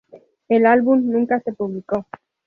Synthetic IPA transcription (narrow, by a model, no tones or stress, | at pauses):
elalβumnũŋkase̞puβliko̞